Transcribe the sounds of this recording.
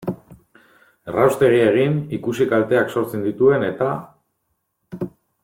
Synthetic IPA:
rawst̪e̞ɣ̞ie̞ɣ̞inikusikalt̪e̞akso̞ɾt͡send̪it̪ue̞ne̞t̪a

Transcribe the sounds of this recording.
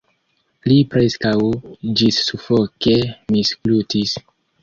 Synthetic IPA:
lipɾeskawd͡ʒisːufokemisklutis

